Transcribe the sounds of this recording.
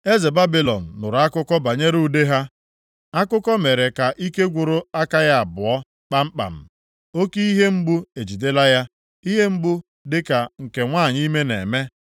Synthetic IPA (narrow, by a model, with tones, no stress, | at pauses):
e˦ze˨ba˦bi˨lɔ˨n̩ː˨ʊ˨ɾa˦kʊ˦kɔ˦ba˨ɲe˦ɾu˦˨de˦ɦa˦ | a˦kʊ˦kɔ˦me˨ɾe˨ka˨ʔi˦ke˦ɡʷʊ˨ɾʊ˦a˦ka˦ja˦a˨bʊ˨ɔ˦ | k͡pa˦m̩˦k͡pa̰˨m̩˨ | o˦ki˦i˦ɦe˦m̩˦bʊ˦e˨d͡ʒi˨de˦la˦ja˦ | i˦ɦe˦m̩˦bʊ˦ | dɪ˦ka˨ŋ̩˨ke˨ŋʷaː˦˨ɲi˦me˦nḛ˨me˦